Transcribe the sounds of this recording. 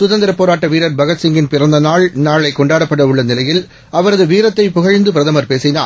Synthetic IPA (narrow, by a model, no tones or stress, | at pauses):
sʊðɐnd̪ɪɾɐpːoːɾaːʈːɐʋiːɾɐɾbɐɣɐt̪sɪŋɡɪnpɪrɐnd̪ɐnaːɭnaːɭɐɪkɔɳɖaːɽɐpːɐɽɐʊɭːɐnɪlɐjɪl | ɐʋɐɾɐðɯʋiːɾɐt̪ːɐɪpʊɣɐɻnd̪ɯpɪɾɐðɐmɐɾpeːsɪna̰ː